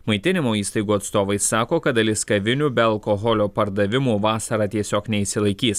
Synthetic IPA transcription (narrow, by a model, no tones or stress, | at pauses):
mɐɪt̪ʲɪnʲɪmoːiːst̪ɐɪɡuːɐt̪st̪oːʋɐɪsːɑːkoːkɐt̪ɐlʲɪskɐʋʲɪnʲuːbʲɛɐlˠkɔɦɔlʲoːpɐɾd̪ɐʋʲɪmuːʋɑːsɐɾɑːt̪ʲiɛsʲoːknʲɛisʲɪlˠɐɪkʲiːs